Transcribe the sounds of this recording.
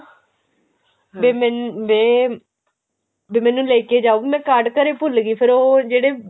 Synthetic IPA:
beːmɛnbeː | beːmɛ̃ːnũːlɛːkeːd͡ʒaːoːbmɛ̃ːkaːɾɖkəɾeːpʊlɡiːpʰɪɾoːd͡ʒeːɽeː

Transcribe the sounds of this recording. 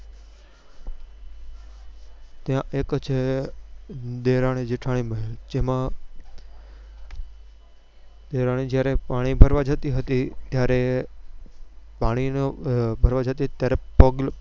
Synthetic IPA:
t̪ijãʔeːkt͡ʃʰe | d̪eɾaɽ̃ed͡ʒeʈʰaɽ̃iməɦld͡ʒemã | d̪eɾaɽ̃id͡ʒjaɾepaːɽ̃ibʱəɾʋad͡ʒət̪iɦət̪it̪jaɾe | paːɽ̃inbʱəɾʋad͡ʒʱət̪it̪jaɾepəɡl

